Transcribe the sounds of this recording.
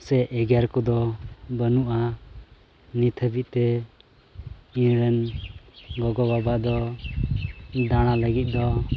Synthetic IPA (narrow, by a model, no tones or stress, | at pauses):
sɛʔɛɡaɾkɔd̪ɔbənuʔa | nit̪ʰəbit̪̚t̪ɛ | inɾɛn | ɡɔɡɔbabad̪ɔ | d̪aɽ̃aləɡit̪̚ˀd̪ɔ